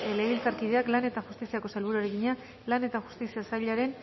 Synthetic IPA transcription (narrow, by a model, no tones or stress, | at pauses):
leɣilt͡saɾkið̞e̞aklane̞t̪aʝust̪isiako̞salβuɾuaɾeɣiɲa | lane̞t̪aʝu̥st̪isiasajʎaɾe̞n